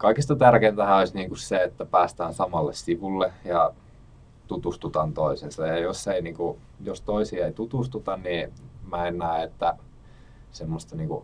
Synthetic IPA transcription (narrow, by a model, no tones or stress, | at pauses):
kɑikist̪ɑt̪ærkeint̪æhæoisʲniːŋkusseet̪ːæpæːst̪æːnsɑmɑlːessiʋulːejɑ | t̪ut̪ust̪ut̪ɑnt̪oisensɑjɑjosːeiniːŋku | jost̪oisiːeit̪ut̪ust̪ut̪ɑnnimæennæˑeet̪ːæ | semːost̪ɑniːŋkṵ